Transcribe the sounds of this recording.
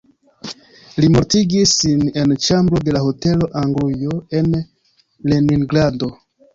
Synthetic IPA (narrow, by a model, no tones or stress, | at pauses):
limo̞ɾtiɡisːine̞nt͡ʃambɾo̞de̞laɦote̞lo̞ʔaŋɡlujo̞e̞n | leniŋɡɾado